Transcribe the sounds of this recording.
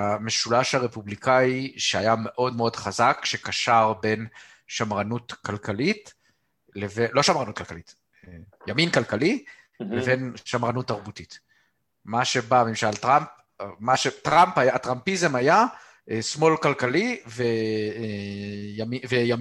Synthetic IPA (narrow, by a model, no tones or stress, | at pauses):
ame̞ʃulaʃhaʁe̞publikaiʃeajame̞ʔo̞dmeo̞dχazakʃe̞kaʃaʁbe̞n | ʃamʁanutkalkalit | levelo̞ʃamʁanut̚kalkalit | jaminkalkali | levenʃamʁanut̪ːaʁbutit | maʃe̞bamimʃaltʁamp̚ | maʃetʁamphajaːtʁampizemaja | ʔsmo̞lkalkalive | jamiveja